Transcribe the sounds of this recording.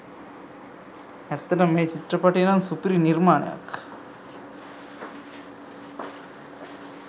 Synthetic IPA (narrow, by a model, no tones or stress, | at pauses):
ɛt̪ːɐnɐmːeːt͡ʃit̪ɾɐpɐʈːenansupɾiniɾmaːɳa̰ːk